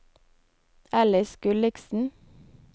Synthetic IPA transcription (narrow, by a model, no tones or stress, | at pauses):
ɛləskʉlɪksn̩